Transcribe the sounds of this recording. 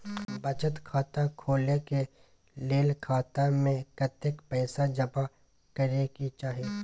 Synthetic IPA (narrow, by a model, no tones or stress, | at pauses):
bət͡ʃət̪kʰaːt̪akʰoːleke | leːlkʰaːt̪amẽkət̪ɪkpɛːsad͡ʒɐpa | kəɾekit͡ʃaːɦieː